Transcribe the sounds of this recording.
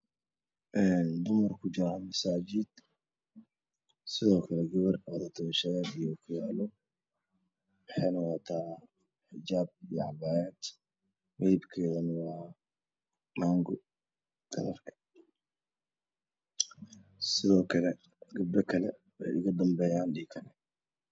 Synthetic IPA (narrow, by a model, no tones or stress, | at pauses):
ʔɛːnd̪ʊmɐrkʰʊd͡ʒɪɾamɐsaːd͡ʒɪd̪ | sɪðɔːkʰɐlɛɡɐβɐrðɐt̪ʰɐwɐʃɐjaːd̪ijɔkʰʊjaːlɔ | wɑħɑjnɐwɑt̪ʰaː | ħɪd͡ʒaːb̚ijɔʕɑbaːjad̪ | wɛjbkʰɛːðɐnwɑː | maːŋɡʊ | ɡ̥ɐ̰ɾɐrkʰɐ̥ | sɪðɔːkʰɐlɛ | ɡʊdɐkʰɐlɛ | wɛ̰jɪ̰ɣɐd̪ɐmbɛːjaːnɖiːkʰɐnɛ